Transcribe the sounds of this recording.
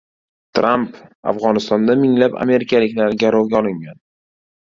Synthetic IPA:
t̪ʰɾampa̰fʁɒnɪst̪ɒnd̪amɪŋlapa̰me̞ɾɪkʲʰalɪkʲnɪalɡʲaɾɒɡʲaɒlɪŋɡʲan

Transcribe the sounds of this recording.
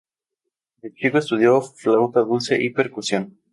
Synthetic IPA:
elt͡ʃikoest̪uð̞jo̞flawt̪aðulseʔipeɾkusjon

